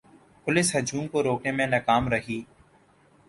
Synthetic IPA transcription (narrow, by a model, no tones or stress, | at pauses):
pʊlɪsɦɐd͡ʒuːmkoɾoːknemẽnɐkaːmɾɐɦiː